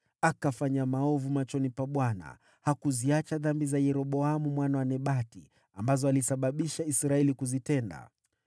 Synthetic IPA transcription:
akafaɲamaɔvumat͡ʃɔnipaɓwana̰ | hakuziat͡ʃaðambizajɛɾɔɓɔamumwanawanɛɓatḭ | ambazɔalisaɓaɓiʃaisɾaɛlikuzitɛnda̰

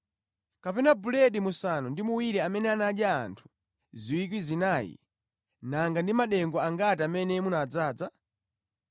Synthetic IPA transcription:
kapɛnabulɛɗimusanɔndimuwiɾɛamɛnɛanaɗja̰ːntʰu̥ | ziwik̬wizinaːjḭ | naŋɡandimaɗɛŋɡɔaŋɡatiamɛnɛmunaːd͡zaːd͡za

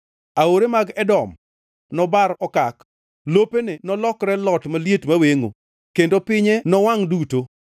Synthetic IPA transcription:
aoɾemaɡɛdɔm | nɔbaɾɔkak | lopenɪnɔlɔkɾɛlɔtmaljetmaweŋo̰ | kendopɪɲɛnɔwaŋduto

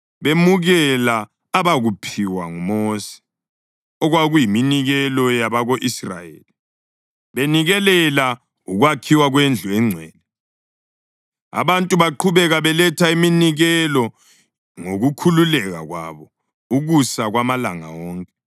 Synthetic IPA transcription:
βemuɣɛlaː | βaɣupʰiwaŋumosɛ̥ | ɔɣwaɣujiminiɣɛlɔjaβaɣoʔisra̰jḛːli | βeniɣɛlɛla | uɣwakʰiwaɣwend͡ɮʱuɛŋ͡ǀʱɛ̰ːnɛ | a̰βantʼuβaǃʰuβɛɣaβɛlɛtʰaiminiɣɛlɔ | ŋoɣukʰululɛɣa̰ɣwa̰βɔ | uɣusaɣwamalaŋa̰wɔːŋkʼɛ

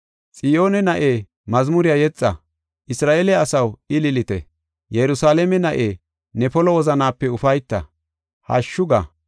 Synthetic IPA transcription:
t͡sʼɪjo̞ːnɛnɐʔeː | mɐzmʊɾɪjajɛt͡sʼːɐ | ʔɪsɾaːʔeːlɛɐsɐwɪlɪlɪt̪ɛ̰ | jɛɾʊsaːlɛmɛnɐʔeː | nɛpɔlɔwɔzɐnaːpːɛʊfɐjt̪ːɐ̰ | hɐ̰ʃːʊɡɐ̰

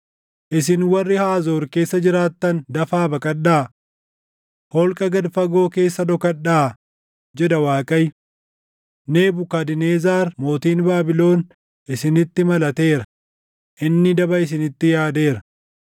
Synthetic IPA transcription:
ʔɪsɪnwɐrːɪhaːzoːɾke̞ːsːɐd͡ʒɪɾaːt̪ːɐnd̪ɐfaːbɐkʼɐᶑaː | hɔlkʼɐɡɐd̪fɐɡo̞ːke̞ːsːɐd̪ɔkɐᶑaː | d͡ʒɛd̪ɐwaːkʼɐj | ne̞ːbʊkɐd̪ɪneːzaːɾmo̞ːt̪iːnbaːbɪlo̞ːn | ʔɪsɪnɪt̪ːɪmɐlɐt̪e̞ːɾɐ | ʔɪnːɪd̪ɐbɐɪs̬ɪnɪt̪ːɪjaːd̪e̞ːɾɐ

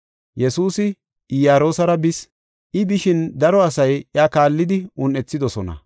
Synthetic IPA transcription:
jɛsuːsɪ | ɪjaːɾo̞ːsɐɾɐbɪs | ʔɪbɪʃɪnd̪ɐɾɔɐsɐjʔjaːkaːlːɪd̪ɪʊnʔɛt͡sːɪd̪ɔsɔnɐ̰

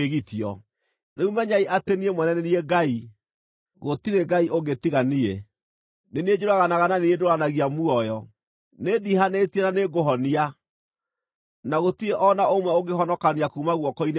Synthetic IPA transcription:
eɣitiɔ̰ | neumɛɲaiʔateniemwɛnɛnɛnieɡai | ɣotiɾeɡaioɡetiɣanie | nenied͡ʒoɾaɣanaɣananiedoɾanaɣiamuɔjɔ | nediɦanetiɛnaneɡoɦɔnia | naɣotiɾeʔɔnaomwɛoɡeɦɔnɔkaniakuːmaɣwɔkɔine

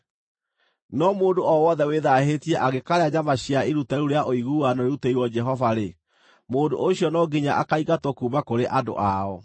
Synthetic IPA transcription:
nɔmoːdoɔwɔðɛweðahetiɛʔaɣekaɾeaɲamaɕiaiɾutɛɾuɾeaʔoiɣuanɔɾeɾuteiwɔd͡ʒɛɦɔvaɾe | moːdo̰ʔoɕjɔnɔɡiɲaʔakaiɣatwɔkuːmakoɾeʔado̰ʔaɔ

